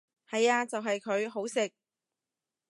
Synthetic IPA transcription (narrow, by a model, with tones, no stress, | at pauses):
hɐ˨jaː˧t͡sɐ˨wɦɐ˨jkʰɵ˨˧ɥɦo˨˥wsɪ˨k̚